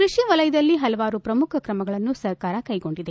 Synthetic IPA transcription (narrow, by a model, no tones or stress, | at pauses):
kɾuʃiʋɐlɐjɐd̪ɐlːiɦɐlɐʋaːɾupɾɐmukʰɐkɾɐmɐɡɐɭɐnːusɐɾkaːɾɐkɐjɡo̞ɳɖid̪e̞